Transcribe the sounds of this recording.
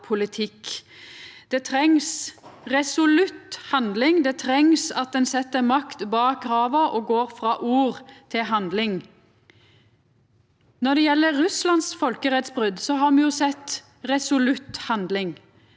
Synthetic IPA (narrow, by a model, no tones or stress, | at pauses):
pʰʊlɪt̪ʰɪk | d̪̥ɛt̪ʰɾɛŋsʁɛsʊlʉt̪hɑnd̪lɪŋd̪ɛt̪ʰɾɛŋsɑt̪̚d̪ɛnsɛt̪ːəɾmɑkt̪bɑːɡɾɑːʋəʔɔːɡoːɾfɾɑːʔuːʁt̪ʰɪlɦɑnd̪lɪŋ | nɔd̪ɛjɛlːəːʉslɑnsfɔlkəʁɛt̪sbʁʏd̪sɔɦɑːʁmɛjʊsɛt̪ | ʁɛsʊlʉt̪hɑnd̪lɪŋ